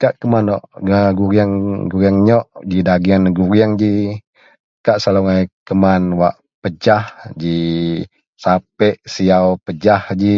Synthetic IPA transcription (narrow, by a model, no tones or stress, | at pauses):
kaʔkəmanɔʔaɡuɾiaŋɡuɾiaŋɲɔʔd͡ʒidaɡianɡuɾiaŋd͡ʒi | kaʔsaloŋakəmanwaʔ | pəd͡ʒahd͡ʒi | sapɛʔsiawpəd͡ʒahd͡ʒi